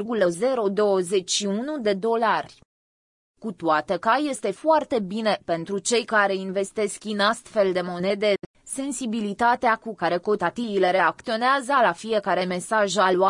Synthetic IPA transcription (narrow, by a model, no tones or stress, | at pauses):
rɡuləze̞ɾo̞d̪o̞əze̞t͡ʃʲʃiunud̪e̞d̪o̞larʲ | kut̪wat̪ekaje̞st̪e̞foart̪e̞bine̞pe̞nt̪ɾut͡ʃe̞jkaɾe̞inve̞st̪e̞skʲinast̪fe̞ld̪e̞mo̞ne̞d̪e̞ | se̞nsibilit̪at̪eakukaɾe̞ko̞t̪at̪ivile̞ɾe̞ak̚t̪io̞neazəlafie̞kaɾe̞me̞saʒalwa